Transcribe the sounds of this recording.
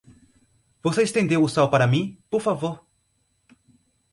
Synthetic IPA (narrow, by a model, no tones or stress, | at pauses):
voseɪst̪ẽnd̪ewʊsawpaɾɐmĩpoɾfavoɾ